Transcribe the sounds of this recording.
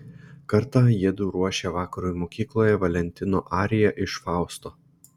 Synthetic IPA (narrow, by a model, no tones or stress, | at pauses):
kɐɾt̪ɑjiɛd̪uːɾuɔʃʲeʋɑːkɐɾuːjmoːkʲiːklˠoːjɛʋɐlʲɛnʲt̪ʲɪno̰ːʔɑːɾʲɪjɛʔɪʃfɑˑʊst̪oː